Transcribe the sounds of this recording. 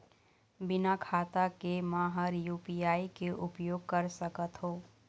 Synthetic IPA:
bɪnakʰaːt̪akemaːɦəɾjuːpijaːikeʔʊpjoːɡ̚kəɾsəkət̪ɦoː

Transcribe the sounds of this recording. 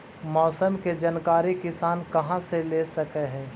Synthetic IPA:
mɔːsəmked͡ʒɐnkaːɾikɪsaːnkɐɦãselesɐkeɦɛ̃ː

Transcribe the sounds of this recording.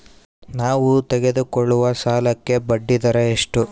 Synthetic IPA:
naːʋut̪ɛɡe̞d̪ukɔɭːuʋɐsaːlɐkːe̞bɐɖːid̪ɐɾeːʂʈu

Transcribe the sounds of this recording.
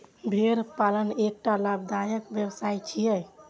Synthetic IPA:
bʱeɾpalənek̚ʈalabd̪ajəkbjəwsajt͡ʃʰijɛj

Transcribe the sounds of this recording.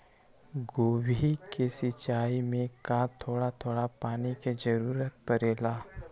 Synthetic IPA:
ɡoːwikesɪt͡ʃaːimẽkat̪ʰoːɽat̪ʰoːɽapaːniked͡ʒəɾuːɾət̪̚pəɾeːlaː

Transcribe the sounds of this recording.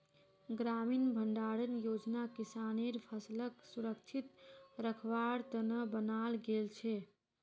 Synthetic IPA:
ɡɾaminbʱəɳɖaɽənjod͡ʒnakisaneɾpʰəsləksuɾəkt͡ʃʰit̪ɾəkʰʋaɽt̪ənəbənalɡelt͡ʃʰɛ

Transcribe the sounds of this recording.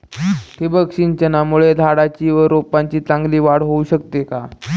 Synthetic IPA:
t̪ebəkɕint͡ɕənamuɭed̪ʱaɽat͡ɕiːʋəɾopaɲt͡ɕiːt͡sãŋɡliːʋaɽɦouɕəkt̪eka

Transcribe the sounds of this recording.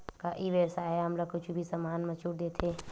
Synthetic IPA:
kaʔiʋesaːɦeɦɐmləkʊt͡ʃʰbʱisəmaːnmət͡ʃuʈd̪et̪ʰe

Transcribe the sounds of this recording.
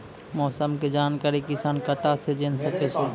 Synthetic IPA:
mɔːsəmked͡ʒaːnkaːɾikɪsaːnkət̪ased͡ʒensəket͡ʃʰe

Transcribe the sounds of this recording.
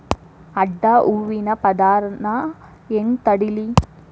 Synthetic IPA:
ɐɖːaːʔuːʋinɐpɐd̪aːɾna | ent̪ɐɽili

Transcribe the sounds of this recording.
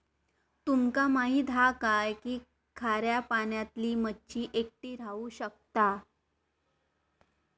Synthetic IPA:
t̪umkamaɦiːd̪ʱakajkiː | kʰaɾjapaɳjat̪liːmət͡ɕiːʔek̚ʈiːɾauːɕək̚t̪a

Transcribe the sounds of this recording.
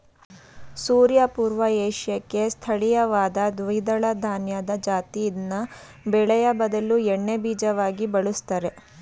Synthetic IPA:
suːɾjɐpuːɾʋɐeːʂjɐkːe̞st̪ʰɐɭijɐʋaːd̪ɐd̪ʋɐid̪ɐɭɐd̪ʱaːnjɐd̪ɐd͡ʒaːt̪iinːɐ | bɛɭɛjɐbɐd̪ɐluɛɳːebiːd͡ʒɐʋaːɡibɐɭust̪ɐɾe̞

